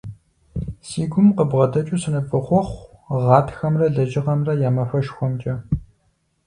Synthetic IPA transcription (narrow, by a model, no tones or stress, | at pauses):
siːɡʷʊmqəbʁɐdɐt͡ʃʼusɨnɨpʼɨχʷɔχʷʁɑːtxɐmrɐɮɐʒɪʁɐmrɐjaːmɐfɐʃxʷɔmt͡ʃʼɐ